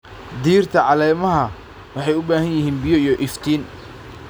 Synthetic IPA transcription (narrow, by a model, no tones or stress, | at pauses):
d̪iːrt̪ʰɐʕɑlɛːmɐɦɐ | wɑħɑjʊbaːhɐnjɪɦiːnbɪjɔijɔʔɪft̪ʰiːn